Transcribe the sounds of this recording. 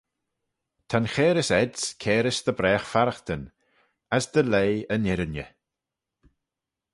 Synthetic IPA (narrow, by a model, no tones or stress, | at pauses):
t̪ʰanxɛːɾɪsɛdskʰɛːɾɪsd̪əbɾɛːxfaɾəxt̪ən | asd̪əleːənɪɾənjə̰